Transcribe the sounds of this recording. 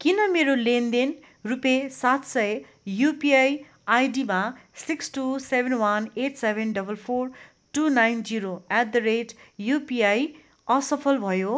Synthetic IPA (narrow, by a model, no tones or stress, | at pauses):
kinʌmeɾolend̪en | rupesat̪sʌj | jupiaj | ajɖimasiksʈusebʱenwʌneʈsebʱenɖʌbʌlpʰor | ʈunajnd͡ziɾoɛt̚d̪ʌɾeʈjupiaj | ʌsʌpʰʌlbʱʌjo